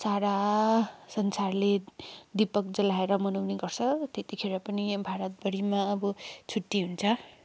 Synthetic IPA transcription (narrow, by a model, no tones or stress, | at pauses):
saɾa | sʌnsarled̪ipʌk̚d͡zʌlaeɾʌmʌnʌwneɡʌrt͡sʰʌt̪et̪ikʰeɾʌpʌnibʱaɾʌt̪̚bʌɽimaʌbʌt͡sʰuʈːiɦunt͡sʰʌ